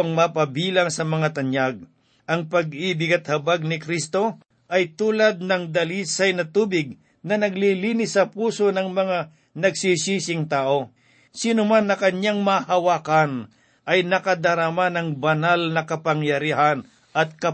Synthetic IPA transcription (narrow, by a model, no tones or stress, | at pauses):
ŋmapɐbiːlaŋsɐmɐŋat̪ɐɲjaɡ̚ | ʔɐŋpɐɡibɪɡɐt̪̚hɐbaɡ̚nɪkɾist̪o̞ | ʔɐjt̪uːlɐd̪̚nɐŋd̪ɐliːsajnɐt̪uːbɪɡ̚ | nɐnɐɡliliːnɪsːɐpuːso̞nɐŋmɐŋa | nɐɡ̚sisisɪŋt̪aːʔo̞ | siːnʊmanːɐkɐɲaŋmɐhɐwaːkɐn | ʔɐjnɐkɐd̪ɐɾamanɐŋbɐnalnɐkɐpɐŋjɐɾiɦan | ʔɐt̪̚kɐ